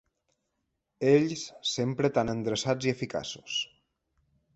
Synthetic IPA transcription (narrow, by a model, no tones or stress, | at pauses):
eʎssempɾət̪anənd̪ɾəsad͡ziəfika̰su̥s